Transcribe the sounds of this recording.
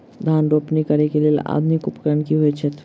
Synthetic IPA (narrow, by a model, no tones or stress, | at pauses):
d̪ʱanɾopnikəɾekelela̰d̪nikupkɾənkiɦojt͡ʃʰet̪